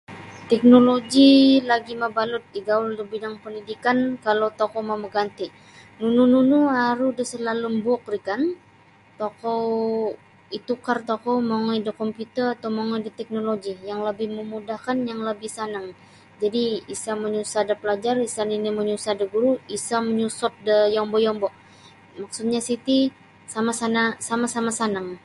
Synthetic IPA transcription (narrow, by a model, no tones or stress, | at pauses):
t̪ɛk̚noloɡilaɡimabalʊt̪̚iɡawuldəbidaŋpəndidikankalawt̪okɔmaməɡant̪i | nunununuaɾudəsəlalumbuɔk̚rikan | t̪okɔw | it̪ukart̪okɔwmaŋɔjdəkɔmpjut̪ərat̪awmaŋɔjdət̪ɛk̚noloɡijaŋləbɪhməmudahkanjaŋləbɪhsanaŋ | d͡ʒadiisaməɲusadapəlad͡ʒarisaniniməɲusadəɡuɾuisaməɲusɔp̪̚dəjɔmbɔjɔmbɔʔ | maksut̪̚ɲasit̪i | samasanasamasamasanaŋ